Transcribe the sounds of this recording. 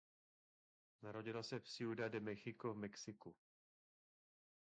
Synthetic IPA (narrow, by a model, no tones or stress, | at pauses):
naɾoɟɪlasɛfsɪudadɛmɛxɪkovmɛksɪku